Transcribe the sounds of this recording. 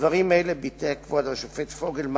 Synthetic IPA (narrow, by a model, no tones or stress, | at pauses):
vaʁimaelebit̪ekvod̪vaʃofet̪foɡelm